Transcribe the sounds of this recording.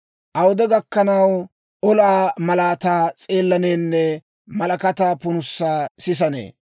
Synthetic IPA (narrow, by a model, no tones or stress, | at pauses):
ʔɐwʊd̪ɛɡɐkːɐnɐw | ɔlaːmɐlaːt̪aːt͡sʼeːlːɐneːnːɛ | mɐlɐkɐt̪aːpʊnʊsːaːsɪs̬ɐnḛː